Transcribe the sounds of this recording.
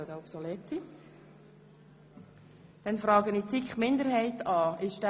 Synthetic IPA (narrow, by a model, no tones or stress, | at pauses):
od̪ɛɔpsoleːtt͡si | d̥ɛnfɾɑːɡənit͡sikχmɪnd̪əɾɦɛɪtɑːɪʃd̥æ